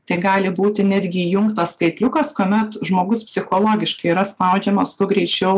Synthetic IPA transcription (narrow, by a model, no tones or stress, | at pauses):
t̪ɐɪɡɑːlʲɪbuːt̪ʲɪnʲæd̪ʲɡʲɪjʊŋkt̪ɐsskɐɪt̪ʲlʲʊkɐskoːmʲɛt̪ʒmoːɡʊspʲsʲɪxoːlˠoːɡʲɪʃkɐɪiɾɐspɐʊd͡ʒʲɛmoːst̪ʊɡɾʲɛɪt͡ʃʲɛʊ